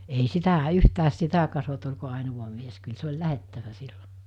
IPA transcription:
ei sitæ yhtæːs sitæ kɑsot olʲko ɑˑenuʋɑ mies kyl se olʲ læhetːæʋæ sil̥ːo̥

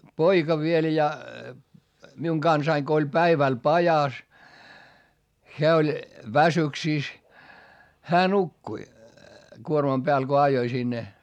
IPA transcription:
poikɑ ʋiel jɑ miuŋ ɡ̊ɑnsɑiŋ ɡ̊o olʲ pæiʋæl pɑjɑs heæ olʲ ʋæsyksiˑs hæː nukːui kuormɑm b̥eæl ko ɑjoi sinːe

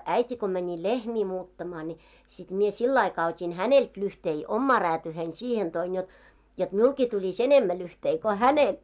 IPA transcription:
æitʲi ko mænʲi lehmiː muːtːɑmɑː nʲi sit mie silː ɑikɑː otʲin hænelt lyhtei omːɑː ræːtyːhein sihen toin jot jot miulkiː tulʲis enemːæ lyhtei ko hænel

